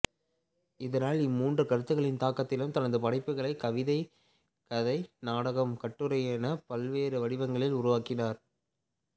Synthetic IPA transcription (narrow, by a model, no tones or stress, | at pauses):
ɪðɐnaːlɪmːuːndrɯkɐɾɯt̪ːɯɣɐɭɪnt̪aːkɐt̪ːɪlɯmt̪ɐnɐðɯpɐɽɐɪpːɯɣɐɭɐɪkɐʋɪðɐɪ | kɐðɐɪnaːɽɐɣɐmkɐʈːɯɾɐjeːnɐpɐlʋeːɾɯʋɐɽɪʋɐŋɡɐɭɪlʊɾʊʋaːkɪnaːɾ